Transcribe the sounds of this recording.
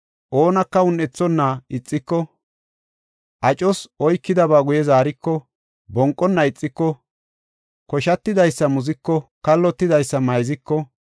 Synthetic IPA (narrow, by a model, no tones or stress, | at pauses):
ʔoːnɐkːɐʊnːɛt͡sːɔnːɐɪt͡sʼːɪkːɔ | ʔɐt͡ʃʼɔsɔjkːɪd̪ɐbaːɡʊjɛzaːɾɪkːɔ | bɔŋkʼːɔnːɐɪt͡sʼːɪkːɔ | kɔʃɐt̪ːɪd̪ɐjsːɐmʊzɪkːɔkɐlːɔt̪ːɪd̪ɐjsːɐmɐjzɪkːɔ